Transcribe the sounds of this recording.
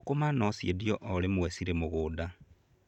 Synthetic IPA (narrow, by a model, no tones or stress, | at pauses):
komanosjedjoʔolemwesiɾemuɣuda